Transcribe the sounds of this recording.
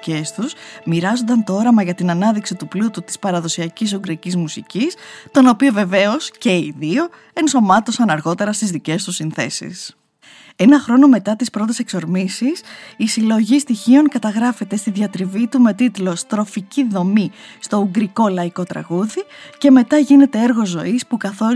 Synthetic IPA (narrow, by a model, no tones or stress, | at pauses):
e̞st̪usmiɾɐzond̪ɐnt̪oo̞ɾɐmɐʝɐt̪inɐnɐðiksit̪uplut̪ut̪i̥spɐɾɐðo̞siɐcis̬uŋɡɾicizmusicist̪o̞no̞pio̞ve̞ve̞o̞sce̞iðio̞ | e̞nso̞mɐt̪o̞sɐnɐɾɣo̞t̪e̞ɾɐst̪izðice̞st̪usinθe̞̰sḭs | e̞nɐxɾo̞no̞me̞t̪ɐt̪ispɾo̞t̪̬e̞sekso̞ɾmisisisilo̞ʝist̪içio̞ŋkɐt̪ɐɣɾɐfe̞t̪e̞st̪iðʝɐt̪ɾivit̪ume̞t̪it̪lo̞st̪ɾo̞ficiðo̞mist̪o̞uɡɾiko̞lɐiko̞t̪ɾɐ̰ɣuðice̞me̞t̪ɐʝine̞t̪e̞e̞ɾɣo̞zo̞ispukɐθo̞